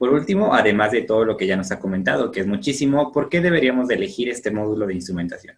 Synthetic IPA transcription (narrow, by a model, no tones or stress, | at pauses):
po̞ɾult̪imo̞ʔaðe̞mazðe̞t̪o̞ð̞o̞lo̞keʝano̞sako̞mẽnt̪að̞o̞keezmut͡ʃisimo̞po̞ɾke̞ðe̞β̞e̞ɾiamo̞zðeːle̞xiɾe̞st̪e̞mo̞ðulo̞ð̞einst̪ɾumẽ̞nt̪asjo̞̰